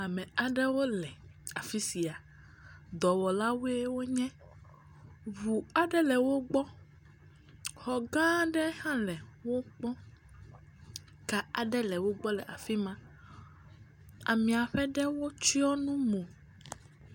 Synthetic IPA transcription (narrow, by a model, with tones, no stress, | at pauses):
a˨mɛ̃˨a˨ɖɛ˦wo˦lɛ˨a˨fi˦si˨a˨ | d̪ɔ˨wɔ˨la˦we˦wo˦ɲɛ̃˦ | βu˨a˨ɖɛ˦lɛ˨wo˦ɡ͡bɔ˦ | xɔ˨ɡã˦ɖɛ˦hã˦lɛ˨wo˦k͡pɔ̃˦ | ka˦a˨ɖɛ˦lɛ˨wo˦ɡ͡bɔ˦lɛ˨ʔa̰˨fi˦mã˦ | a˨mĩ˨a˨ɸɛ˦ɖɛ˦wo˦t͡ʃi˦ɔ˦nũ˦mõ˨